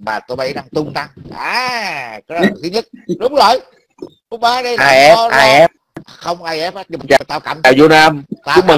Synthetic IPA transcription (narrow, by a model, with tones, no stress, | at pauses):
maː˨˩t̪o˧jma˧˩jɗa˧ŋt̪ʊ˧ŋ͡mt̪a˧ŋʔaː˨˩kɔ˨˦lt̪ʰɨ˨˦ɲə˦˥t̚ɗʊ˨˦ŋ͡mzoː˨˩j | ɗʊ˨˦ɓaː˨˦ɗə˧ʔaː˧˨˧jʔɛ˦˥˦aːa˧˨jʔɛ˦˥p̚ | xə˧wŋ͡mʔaː˧jʔɛ˦˥p̚a˦˥ɲɨ˧ma˨˩t͡ɕaː˨˩t̪aː˧˩wka̰˧˨˩maː˨˩wzo˧naː˧maː˧˦˥ɓə˨˩